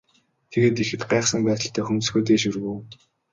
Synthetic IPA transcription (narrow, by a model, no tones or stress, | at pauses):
t̪ʰeɣeːt̪ixɘ̆t̪ɢæːχsə̆ŋpæːt̪ə̆ɬt̪ʰæːxumt̪̆ɡuːt̪eːʃɵrɣuw